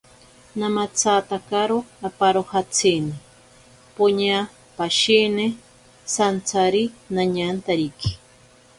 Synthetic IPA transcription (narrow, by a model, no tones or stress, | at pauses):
namat͡sʰat̪akaɾoapaɾohat͡sʰini | poɲa | paʃine | sant͡sʰaɾinaɲant̪aɾiki̥